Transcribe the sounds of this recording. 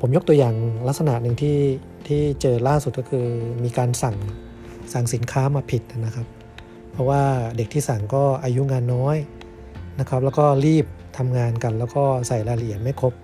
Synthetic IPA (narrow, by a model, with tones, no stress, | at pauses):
pʰo˩˦mjo˦˥k̚t̪u˧ɐjaː˨˩ŋla˦˥k̚sa˧na˨˩nɯ˨˩ŋt̪ʰiː˥˩ | t̪ʰiː˥˩t͡ɕɤː˧laː˥˩su˨˩kɔː˥˩kʰɯː˧miː˧kaː˧nsa˨˩ŋ | sa˨˩ŋsi˩˦nkʰaː˦˥maː˧pʰi˨˩t̪̚ʔa˨˩na˦˥kʰa˦˥p̚ʰː | ɔ˦˥waː˥˩de˨˩k̚t̪ʰiː˥˩sa˨˩ŋkɔː˥˩ʔaː˧ju˦˥ŋaː˧nːɔː˦˥j | na˦˥kʰa˦˥p̚lɛ˦˥wkɔː˥˩ɾiː˥˩p̚t̪ʰa˧mŋaː˧nka˧nlɛː˦˥wkɔː˥˩sa˨˩jlaː˧li˨˩ənma˥˩jkʰo˦˥p̚